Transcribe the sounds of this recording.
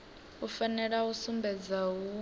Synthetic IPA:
ufanɛɺausumbɛd͡zau

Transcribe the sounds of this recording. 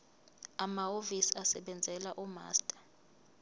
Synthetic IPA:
amaovisiasɛɓɛnd͡zʱɛlaʔuma̰ːstʼḁ

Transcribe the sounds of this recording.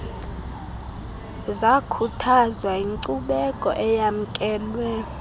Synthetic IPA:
zakʰutʰazwaiŋǀuɓɛkʼɔ̰ʔɛjam̩kʼɛːlwɛ

